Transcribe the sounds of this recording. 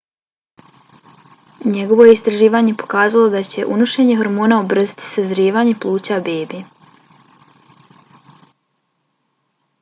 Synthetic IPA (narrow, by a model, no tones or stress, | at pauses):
ɲe̞ɡo̞ʋo̞jeist̪ɾaʒiːʋaːɲe̞po̞̥kaːzalo̞d̪at͡ɕe̞̰ʔunuʃeɲeɦo̞ɾmo̞ːnaobr̩zit̪i̥sezɾiːʋaːɲe̞plˠuːt͡ɕabeːbi